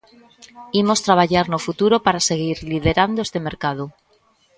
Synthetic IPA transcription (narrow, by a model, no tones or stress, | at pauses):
imo̞st̪ɾaβ̞aʝaɾnofut̪uɾo̞paɾase̞ɣ̞iɾliðe̞ɾand̪oest̪eme̞ɾkað̞o